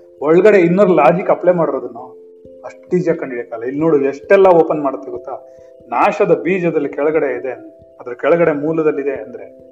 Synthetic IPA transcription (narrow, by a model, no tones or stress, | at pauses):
ɔɭɐɡɐɽe̞inːɐɾulaːd͡ʒikɐplemaːɽiɾod̪unːu | ɐʂʈʈiːd͡ʒijakɐɳɖiɽekaːlɐilːnoːɽueʂʈɛlːɐoːpɐnmaːɽut̪ːiɡut̪ːa | naːʂɐd̪ɐbiːd͡ʒɐd̪ɐlːikɛɭɐɡɐɽe̞id̪en | ɐd̪ɐɾɐkɛɭɐɡɐɽe̞muːlɐd̪ɐlːid̪e̞ɐnd̪ɐɾe̞